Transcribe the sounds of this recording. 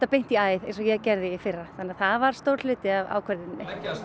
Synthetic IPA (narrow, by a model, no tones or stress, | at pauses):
t̪apejn̥t̪iaːjðḛjnsɔjɛcɛɾðɪfɪrːaθanːɪaθaðvaɾ̥st̪owɾ̥ʏːt̪ɪava̰ːwkʰvɛɾðɪnnːɪ